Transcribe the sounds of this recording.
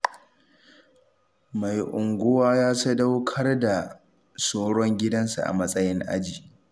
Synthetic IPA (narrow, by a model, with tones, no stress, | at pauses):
ma˨jʔʊ˨ŋɡʷʊ˦waː˦jaː˦sɐ˦da˦wkʰɐ˦rda˨ | soː˦ɽɔ˦ŋɡʲɪ˦dɐ˦nsa̰˨ʔa̰˨mɐ˦sʼɐ˦jɪ˦ŋʔa̰˦d͡ʒiː˨